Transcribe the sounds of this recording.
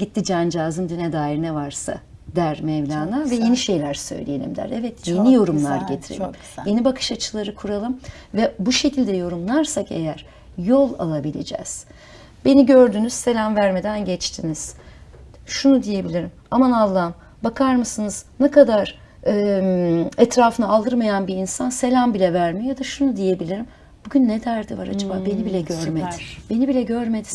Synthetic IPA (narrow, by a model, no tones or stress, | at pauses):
ɟit̪ʰːid͡ʒaːnd͡ʒaːzɯnd̪ynɛd̪aːiɾinɛvaɾsa̰ | d̪æɾmɛvlʲaːnˠaɾvɛjeniʃe̞jlʲæɾsø̞̰jlʲije̞lʲḭmd̪æ̰ɾɛvɛt̪jenijo̞ɾumlˠaɾɟet̪ʰiɾḛlʲm | je̞nibakʰɯ̥ʃat͡ʃʰɯlˠaɾɯkʰuɾalˠɯm | vɛbuʃe̞cʰilʲd̪ɛjo̞ɾumlˠaɾsakḛjæɾ̥ | jo̞lˠa̰lˠabilʲḛd͡ʒɛ̰z̥ | be̞niɟø̞ɾd̪yːnyz̥se̞lʲamvæɾme̞d̪ænɟɛt͡ʃt̪ʰiniz̥ | ʃunud̪ije̞bilʲiɾimamanalˠːam | bakʰaɾmɯsɯnɯz̥nɛkad̪aɾ̥ | ɯː | ɛt̪ɾaːfɯnaːlˠd̪ɯɾmajanbiinsanse̞lʲæmbilʲɛvæɾmijad̪aʃunud̪ije̞bilʲiɾim | b̥uɟynːɛd̪æɾd̪iva̰ɾa̰d͡ʒababe̞nibilʲɛɟøɾmed̪b̥e̞nibilʲɛɟøɾmed̪i